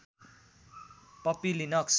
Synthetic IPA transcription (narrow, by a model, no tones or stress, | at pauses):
pʌpilinaks